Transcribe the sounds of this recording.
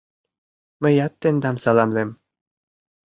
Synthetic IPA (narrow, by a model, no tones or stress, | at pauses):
mɘ̆jɑt̪ːĕnd̪ɑmsɑlˠɑmlĕm